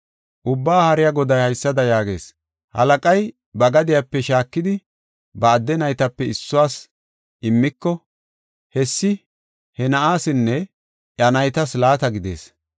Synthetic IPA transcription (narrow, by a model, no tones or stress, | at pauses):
ʔʊbːaːhɐɾɪjaɡɔd̪ɐjhɐjsːɐd̪ɐjaːɡe̞̰ːs | hɐ̰lɐkʼɐj | bɐɡɐd̪ɪjapːɛʃaːkːɪd̪ɪ | bɐːd̪ːɛnɐjt̪ɐpːɛɪsːʊwaːs | ɪmːɪkːɔ | hɛsːɪ | hɛnɐʔaːsɪnːɛ | ʔɐnɐjt̪ɐslaːt̪ɐɡɪd̪e̞̰ːs